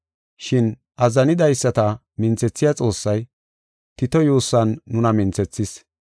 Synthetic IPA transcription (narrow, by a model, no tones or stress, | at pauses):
ʃɪn | ʔɐzɐnɪd̪ɐjsːɐt̪ɐ | mɪnt͡sɛt͡sːɪjɐt͡sʼo̞ːsːɐj | t̪ɪt̪ɔjuːsːɐnːʊnɐmɪnt͡sɛt͡sːɪs